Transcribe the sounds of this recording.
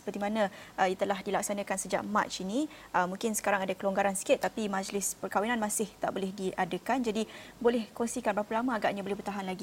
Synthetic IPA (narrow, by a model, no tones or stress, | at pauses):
sə̥pərt̪imanãʔəjat̪əlahdilak̚sanəkansəd͡ʒa̰ʔma̰t͡ʃiniʔəmũŋkɪnsə̥kaɾaŋadakəloŋɡaɾansi̥kɪt̪ːapimãd͡ʒlɪspərkawinãnmãsɪht̪a̰ʔbolɛhdiʔadəkand͡ʒadibolɛhkɔŋsikanbaapəlamaːɡaʔɲabolɛhbərt̪aɦanlaɡi